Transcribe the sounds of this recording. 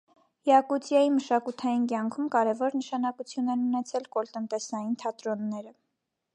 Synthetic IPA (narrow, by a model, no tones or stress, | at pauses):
jɑkut͡sjɑjiməʃɑkut̪ʰɑjinkjɑŋkʰumkɑɾɛvɔɾnəʃɑnɑkut͡sʰjunɛnunɛt͡sʰɛlkɔlt̪ənt̪ɛsɑjint̪ʰɑt̪ɾɔnːɛɾə